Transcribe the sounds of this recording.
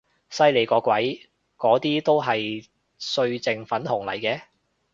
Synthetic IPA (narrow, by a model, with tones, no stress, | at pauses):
sɐ˧jle˨˩jkɔː˨˧˥kʷɐ˨˥j | kɔː˨˥t̪iː˥t̪o˥wɦɐ˨j | sɵ˧ɥt͡sɪ˨˧ŋfɐ˨˥nhʊ˨˩ŋlɐ̰˨˩jkɛː˧